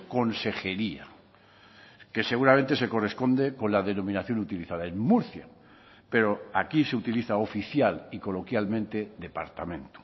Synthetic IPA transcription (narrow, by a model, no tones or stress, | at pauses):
ko̞nse̞xeɾia | ke̞se̞ɣ̞uɾamẽnt̪ese̞ko̞re̞spo̞nd̪ekõ̞nlaðe̞no̞mĩnaθjo̞nut̪iliθaðaeŋmuɾθja̰ | pe̞ɾoakiseut̪iliθaofiθjaliko̞lo̞kjalmẽ̞nt̪eðe̞pa̰ɾt̪amẽ̞nt̪u̥